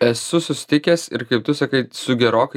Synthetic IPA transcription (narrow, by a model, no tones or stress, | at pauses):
ɛsʊsʊsʲɪ̥t̪ʲɪkʲeːsɪ̰ɾkɐɪp̚t̪ʊsɐkɐɪsʊɡʲɛɾoːkɐ